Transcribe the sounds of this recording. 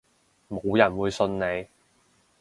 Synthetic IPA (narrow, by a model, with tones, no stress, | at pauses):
mo˨˧wjɐ˨˩nwuː˨˧jsɵ˧nne˨˧j